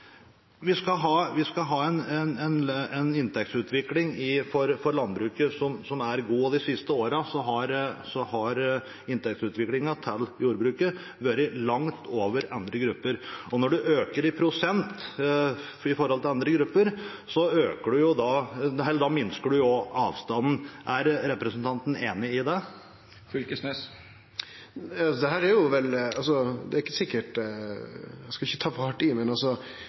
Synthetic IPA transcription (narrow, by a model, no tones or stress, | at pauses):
ʋɪskɑɦɑːʋɪskɑɦɑːɛnɛnɛnɛnɪnt̪ʰɛk̚t̪sʉːt̪ʰʋɪklɪŋɪfɔɾfɔɾɭɑnbɾʉːkəsɔmsɔmæɾɡuːd̪ɪsɪst̪əoːɾɑsɔɦɑɾsɔhɑɾ | ɪnt̪ɛk̚t̪sʉːt̪ʋɪklɪŋɑt̪ʰɛlːjuːɾbɾʉːkə | ʋøɾəlɑŋt̪oːʋəɾɑnd̪ɾəɡɾʉpːəɾɔnɔɖʉʔøːkəɾɪpʰɾʊsɛnt̪ | ɪfɔɾhɔlt̪ɪlɑnd̪ɾəɡɾʉpːəɾsɔøːkəɖʉjʊd̪ɑɦɛld̪ɑmɪnskəɖʉjʊɑ̰ːʋst̪ɑnn̩ʔæɾɾɛpɾɛsənt̪ʰɑnt̪n̩eːnɪɪd̪ɛ | fʏlkəsmɛs | sɔd̪ɛhæːɾæɾjʊʋɛlɑlsɔd̪ɛæɾɪkːəsɪkːəʈ | ɛskɑɪçːət̪ʰɑːʋɑːʈɪmɛnɑlsɔ